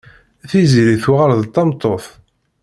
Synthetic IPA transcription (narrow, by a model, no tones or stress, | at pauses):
θiziɾiθwʁəɾðt̪ˤːɑmt̪ˤːoθ